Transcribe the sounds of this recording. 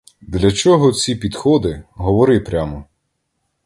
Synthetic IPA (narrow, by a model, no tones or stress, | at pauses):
d̪lʲɐt͡ʃɔɦɔt͡sʲipʲid̪xɔd̪ɪɦɔʋɔɾɪpɾʲamɔ